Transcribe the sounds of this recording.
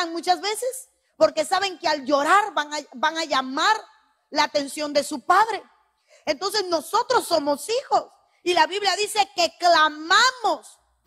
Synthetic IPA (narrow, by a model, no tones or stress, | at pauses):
ŋmut͡ʃazβe̞se̞s | po̞ɾke̞saβe̞ŋkeald͡ʒo̞ɾaɾβaŋabaŋaʝamaɾ | laːt̪e̞nsjo̞nd̪e̞supaðɾe̞ | ent̪o̞nse̞zno̞so̞t̪ɾo̞sːo̞mo̞sixo̞s | ilaβiβljaðise̞ke̞klamamo̞s